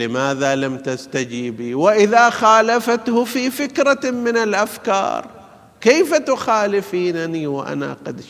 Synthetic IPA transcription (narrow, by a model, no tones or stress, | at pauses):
lɪmaːðalamt̪ast̪ad͡ʒiːbiwɪʔɪðaxaːlafat̪hʊfiːfɪkɾamɪnɪlʔafkɑ̰ːɾˤ | keːfat̪ʊxaːlɪfiːnaniwɪʔa̰na̰qɑd̪